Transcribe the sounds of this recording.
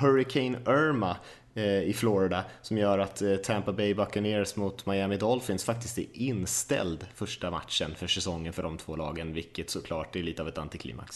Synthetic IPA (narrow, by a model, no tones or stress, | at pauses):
hœɾɪkʰɛɪnœɾma | ɪflɔɾɪd̪asɔmjœːɾat̪t̪ʰːæmpabɛjbakːaneːɾsmʊt̪majæmɪd̪ɔlfɪnsfakt̪ɪst̪ɪnst̪ɛ̰ld̪fœʂʈama̰t̪ʂənfœʂɛsɔŋːənfœɖɔmt̪ʰv̥oːlɑ̰ːɡənvɪlkːət̪sɔkʰlɑːʈ̚d̪ɛɭiːt̪əavɛt̪ant̪ɪkʰlḭːmːa̰ks